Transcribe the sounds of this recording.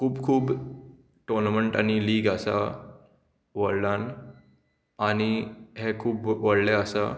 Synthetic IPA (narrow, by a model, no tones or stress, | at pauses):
kʰuːbkʰuːb | ʈɔɾnməɳʈa̰ñiliːɡəsa̰ | ʋəɽlan | añiɦekʰuːbʋəɽleəsa̰